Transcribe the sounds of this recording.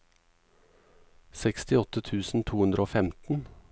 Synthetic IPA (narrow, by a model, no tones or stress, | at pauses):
sɛkst̪ɪɔt̪ət̪ʰʉːsn̩t̪ʰuːhʉnd̪ɾəoːfɛmt̪n̩